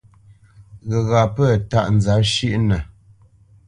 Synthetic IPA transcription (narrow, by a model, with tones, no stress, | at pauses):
ɣə˨ɣa˨pə˦˨ta̰˦˨ʔn̩˨za˨˦ʃi˦ʔnə˨